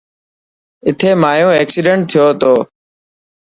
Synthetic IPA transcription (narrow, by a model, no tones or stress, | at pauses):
ɪt̪ʰeːmaːjõːeːksiːɖeɳʈ̚t̪ʰːɪjoːt̪oː